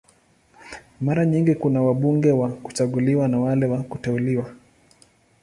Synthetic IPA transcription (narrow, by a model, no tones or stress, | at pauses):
maɾaɲiŋɡikunawaɓuŋɡɛwaku̥t͡ʃaɠuliwanawalɛwakutɛuliwa